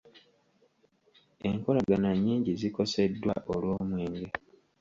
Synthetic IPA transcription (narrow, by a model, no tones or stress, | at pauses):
e̞̰ŋko̞laɡanaɲːiːɲɟiziko̞se̞dːwa̰ʔolwo̞ːmwe̞ːŋɡe